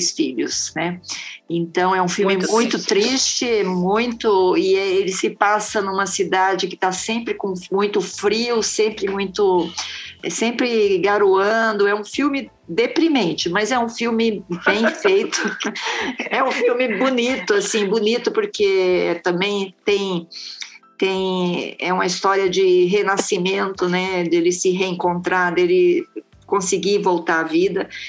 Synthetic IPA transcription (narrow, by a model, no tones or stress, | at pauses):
sfiʎʊ̰snɛẽnt̪ɐ̃w̃ɛũfiwmɪmũj̃t̪ʊt̪ɾist͡ʃɪmũj̃t̪ʊɪɛelɪsɪpasɐnũmɐsid̪ad͡ʒɪkɪ̥t̪asẽmpɾɪkõmũj̃t̪ʊfɾiwsẽpɾɪmũj̃t̪ʊ | ɛsẽmpɾɪɡaɾuɐ̃d̪ʊɛũfiwmɪ | d̪epɾimẽnt͡ʃɪmɐzɛũfiwmɪbẽj̃fejt̪ʊ | ɛũfiwmɪbunit̪ʊasĩbunit̪ʊpoɾkeɛt̪ɐ̃mbẽj̃t̪ẽj̃ | t̪ẽj̃ɛũmɐist̪ɔɾiɐd͡ʒɪɦenasimẽnt̪ʊnɛd̪elɪsɪɦeẽŋkõnt̪ɾad̪elɪ | kõsɪɡivowt̪aɾavid̪ɐ